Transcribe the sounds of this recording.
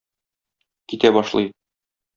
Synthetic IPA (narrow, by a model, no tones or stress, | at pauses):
kit̪æbɒʃlˠɤ̰j